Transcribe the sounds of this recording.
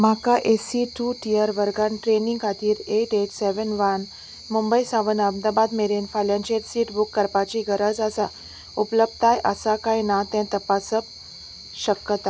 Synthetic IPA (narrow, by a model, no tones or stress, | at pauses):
makaʔesiʈuʈiəɾʋəɾɡanʈɾeniŋɡkʰat̪iːɾeʈeʈsɛʋənʋan | mumbəjsaʋənəmd̪abad̪meɾenfaljãnt͡ɕeʈsiʈbukːəɾpat͡ɕiːɡʱəɾəd͡zəsa | upləb̚t̪ajʔə̰sakajnat̪ɛ̃t̪əpasəp̚ | ɕəkt̪a